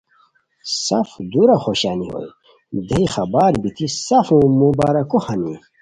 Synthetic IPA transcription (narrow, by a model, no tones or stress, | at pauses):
sɐfd̪uɾaxoɕaniho̰j | d̪ɐixɐbaːɾbit̪ʰisɐfũmubaːɾɐkoxɐni